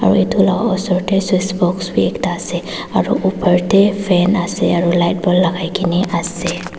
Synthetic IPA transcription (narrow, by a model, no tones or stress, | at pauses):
aɹṵetulaɡɔsɔɹtɛswisbɔksbiɛktaːsɛ | aɹṵʔupʰəɹtɛpʰɛnasɛaɹulajt̚bɔlːaɡajkʰiniʔasɛ